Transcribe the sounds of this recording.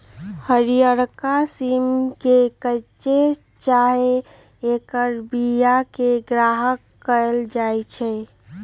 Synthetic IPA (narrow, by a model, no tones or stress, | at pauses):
həɾijəɾkasimkekət͡ʃe | t͡ʃaɦeː | kəɾbijakeɡɾaɦəkːəeld͡ʒajt͡ʃʰɛ